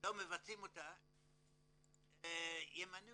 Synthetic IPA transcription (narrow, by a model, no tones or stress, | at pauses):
omevat͡simota | jemanu